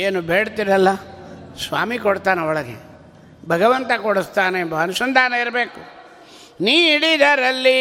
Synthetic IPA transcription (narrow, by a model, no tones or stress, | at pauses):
eːnubeːɽt̪iɾɐlːɐsʋa̰ːmikoɽt̪aːneɔɭɐɡḛ | bʱɐɡɐʋɐnt̪ɐkoɽust̪aːneːmbɐɐnusɐnd̪ʱaːnɐiɾɐbe̞ːku | niːiɽid̪aːɾɐlːi